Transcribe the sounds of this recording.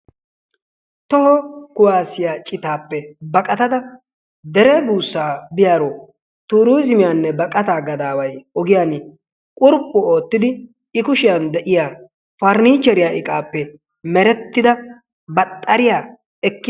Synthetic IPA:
t̪ɔhɔkʊwaːsɪjaːt͡ʃʼɪt̪aːpːɛbɐkʼɐt̪ɐd̪ɐ | d̪ɛɾɛbuːsːaːbɪjaːɾoː | t̪uːɾujzɪmɪjaːnːɛbɐkʼɐt̪aːɡɐd̪aːwɐjɔɡɪjaːn | kʼʊɾpʼːʊo̞ːt̪ːɪd̪ɪ | ɪkʊʃɪjand̪ɛʔɪjaː | fɐɾniːt͡ʃːɛɾɪjaːʔɪkʼaːpːɛ | mɛɾɛt̪ːɪd̪ɐ | bɐt̪ʼːɐɾɪjaː | ɛkːɪ

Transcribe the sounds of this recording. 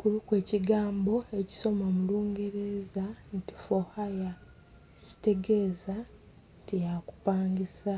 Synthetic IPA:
kuɾukwe̞ːciɡaːmbo̞e̞ci̥so̞mamuluːŋɡe̞ɾe̞zanti̥fo̞haja | eci̥te̞ɡe̞ːza | tijaku̥paːŋɡisa

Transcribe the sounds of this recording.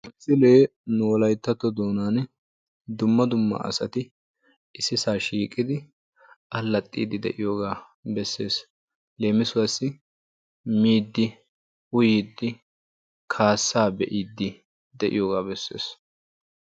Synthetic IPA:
ɪsɪle̞ːnoːlɐjt̪ːɐt̪ːɔd̪oːnaːn | d̪ʊmːɐd̪ʊmːɐ̰ɐ̰sɐt̪ɪ | ɪsːɪsaːʃiːkʼːɪd̪ɪ | ɐlːɐt̪ʼːḭːd̪ɪd̪ɛ̰ʔɪjoːɡaː | bɛsːe̞ːs | leːmɪsʊwɐsɪ | miːd̪ːɪ | ʊjiːd̪ːɪ | kʰaːsːaːbɛʔiːd̪ːɪ | d̪ɛʔɪ̰joːɡaːbɛsːe̞̰ːs

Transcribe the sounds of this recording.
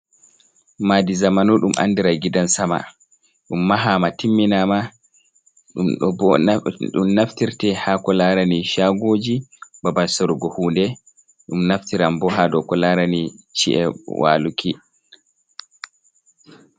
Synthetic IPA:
madizamanuɗumʔa̰ndiɾaɡidansama̰ | ɗumːaɦamatimːinama | ɗɗɔ | ɗṵmnaftiɾtɛhakɔlaɾaniʃaɡoːd͡ʒibabansɔɾɡɔhuːndɛ | ɗumnaftiɾambɔɦadɔkɔlaɾanit͡ʃḭʔɛ̰wʔa̰ːlukʰi

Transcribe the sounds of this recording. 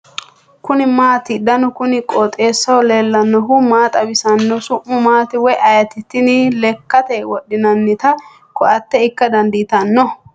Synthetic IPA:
kʊnɪmaːt̪ɪd̪ɐnɔkʊnɪkʼoːt̪ʼe̞ːsːɐwɔleːlːɐnːɔɦʊmaːt̪ʼɐbɪsɐnːɔsʊʔːʊmaːt̪ɪwɔjʔɐjɐt̪ɪt̪ːɪnɪlɛkːɐt̪ɛwɔɗːɪnɐnːɪt̪ɐ | kɔʔɐt̪ːɛɪkːɐd̪ɐnd̪ɪt̪ɐnːɔ

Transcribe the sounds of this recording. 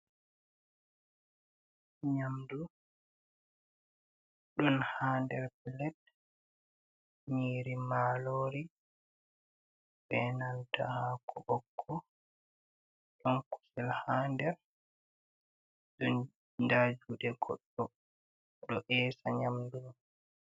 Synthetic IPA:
ɲamdu | ɗɔnhaːndɛɾpɛlɛt | ɲiːɾimaːloːɾi | bɛnanta̰hakʰɔbɔkʰːɔ | ɗɔnku̥sɛlhaːndɛɾ | d͡ʒɔn | ndad͡ʒuɗɛɡɔ̰ɗːɔ | ɗɔʔɛːsaɲamdum

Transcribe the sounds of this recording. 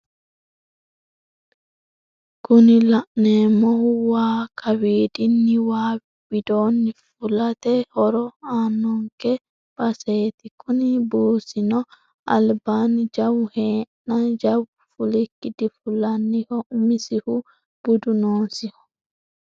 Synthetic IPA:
kʰʊnɪlɐʔneːmɔhʊwaːkʰɐwiːd̪ɪnːɪwaː | wɪd̪oːnːɪfʊlɐt̪ɛhɔɾɔaːnːɔŋkɛ | bɐseːt̪ɪkʰʊnɪbuːsɪnɔ | ɐ̰lbaːnd͡ʒɐwheːnːɐd͡ʒɐw | fʊlɪkːɪd̪ɪfʊlɐnːɪhɔmɪsɪhʊ | b̥ʊd̪ʊnoːsɪhɔ̥

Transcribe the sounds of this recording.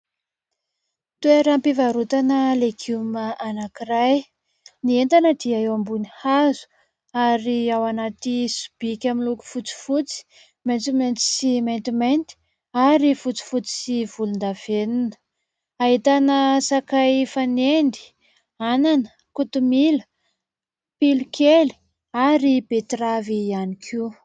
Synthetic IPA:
t̪ueɾampivaɾut̪anəleɡuməʔanakiɾaj | nient̪anəd̪̥iaewambunihazu̥ | aɾiawanat̪isu̥b̥ikʲamiluku̥fut͡si̥fut͡si̥ | ment̪iment̪i̥siment̪imajnt̪i̥ | aɾifut͡si̥fut͡si̥sivulund̪av̥eninə̥ | aɦit̪anəsakajfanendi̥ | ananə̥ | kut̪umilə | pilukʰeli̥ | aɾibet̪ravianikʰi

